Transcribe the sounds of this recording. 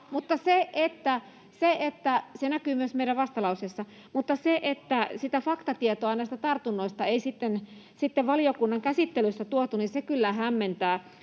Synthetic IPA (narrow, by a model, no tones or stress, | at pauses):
mut̪ːɑseʔet̪ːæ | seet̪ːæsenækyːmyøsmeiɾæʋʋɑst̪ɑlɑusesːɑ | mut̪ːɑseʔet̪ːæsit̪æfɑkt̪ɑt̪iet̪oɑnæist̪æt̪ɑrt̪unːoist̪ɑeisit̪ːen | sit̪ːeʋʋɑlijokunːɑŋkæsit̪ːelyst̪ːæt̪uot̪uninsekylːæɦæmːent̪æː